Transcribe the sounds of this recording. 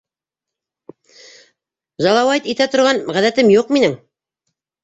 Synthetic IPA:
ʒɑlˠɑwɑt̪it̪æt̪ŏɾʁɑnʁæðæt̪ɘmjuqminɘŋ

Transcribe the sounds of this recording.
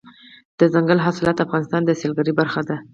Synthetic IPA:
d̪̥əzaŋɡalɦɑsɪlɑt̪afɣɑnɪst̪ɑnd̪əselɡaɾibaɾxad̪a

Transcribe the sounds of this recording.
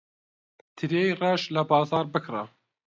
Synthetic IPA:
t̪ʰɨɾejreʃlɐbɑːzɑːɾbɨkra

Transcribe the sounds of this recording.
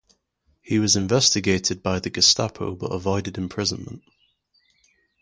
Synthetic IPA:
hiwɒzɪ̃ɱvɛstɪɡeɪtʰɪd̚baɪðəɡəsta̰pʰo̰ʊbʌ̰təvɔɪdɪdɪ̃mpʰɹ̥ɪzə̃nmə̰̃nʔ

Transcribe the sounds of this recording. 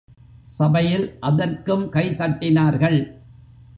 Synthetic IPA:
sɐbɐjɪlʔɐðɐrkɯmkɐɪt̪ɐʈːɪnaːɾɣɐɭ

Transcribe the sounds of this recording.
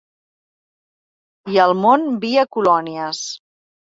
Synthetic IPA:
iəlˠmonbiəkulɔniəs

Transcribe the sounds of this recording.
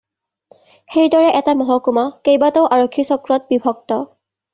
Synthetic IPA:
xejdɔɹɛʔɛtamɔɦɔkumakejbatɔʊʔaɹokʰːisɔkɹɔt̚bibʱɔk̚tɔ

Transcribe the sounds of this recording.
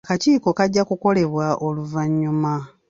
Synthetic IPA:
kaciːko̞kaɟːakuko̞le̞βwaʔoluvaɲːuma

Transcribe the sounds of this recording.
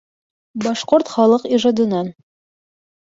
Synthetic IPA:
bɒʃqoɾt̪χɒlˠɤqiʒɑd̪ɤ̆nɑn

